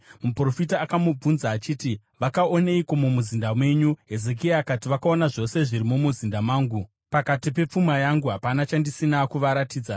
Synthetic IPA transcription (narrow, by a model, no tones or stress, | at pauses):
mupro̞fitaːkamub͡vunzaːt͡ʃiːti | ʋakaoneikomumuzindamwe̞ɲuɦe̞ze̞k̬iaːkatiʋakao̞naʐo̞se̞ʐiɾimumuzindamaːŋɡu | pakatipe̞p͡fumajaŋɡuɦapanat͡ʃandisinakuʋaɾatiːd͡za